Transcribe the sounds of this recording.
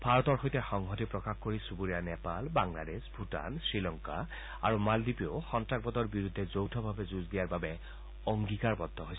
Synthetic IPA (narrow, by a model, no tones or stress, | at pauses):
b̥ʱaɹɔtɔɹxojtɛxɔŋɦɔtipɹɔkaxkoɹisubuɹijanɛpalbaŋla̰desbʱuta̰nsɹilɔŋka̰ | a̰ɹumaldipioxɔntɹaɡ̚bɔt̪ɔɹbiɹudʱːɛzowtʰɔbʱabɛzuzdijaɹbabɛ | ɔŋɡikaɹbɔdʱːɔɦojs